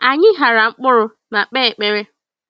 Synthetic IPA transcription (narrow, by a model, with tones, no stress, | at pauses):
a˨ɲɪ˦ɦa˨ɾa˨ŋ͡m̩˦k͡pʊ˦ɾʊ˨ | na˨k͡pe˦˨k͡pe˦ɾe˦